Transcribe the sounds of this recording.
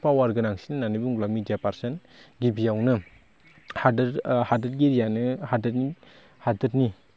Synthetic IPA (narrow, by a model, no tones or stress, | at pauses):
pawaɾɡɯnaŋsinɯnanɯjbuŋɡlamidijapaɾsen | ɡibijawnɯ | hadɾhadɯɾ̚ɡiɾijanɯhadɯtni | hadɯt̚ni